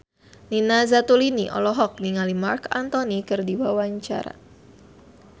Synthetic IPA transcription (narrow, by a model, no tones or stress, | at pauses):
ninazat̪uliniʔɔ̰lɔɦɔk̚niŋalimarkant̪ɔnikɨrdiwawaɲt͡ʃa̰ɾa̰